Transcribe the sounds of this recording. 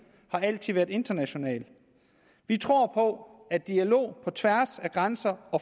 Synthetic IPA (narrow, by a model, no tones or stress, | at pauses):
hɑ̈æl̰t͡sʰið̰ˠʋæːɐdˠe̝nd̥ɐnæɕo̝nɛ̰ːl | ʋit͡sʰʁo̝ɐ̰pʰɒ̽æd̥iælo̝̰ːpʰɒ̽t͡sʰʋæɐsæɡ̥ʁansɐɒ̽